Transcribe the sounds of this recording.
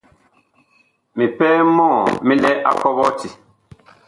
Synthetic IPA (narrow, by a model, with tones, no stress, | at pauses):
mi˨pɛː˦mɔ̃˦˨mĩ˦lɛ˦ʔa̰˦kɔ˦bɔ˦ti˨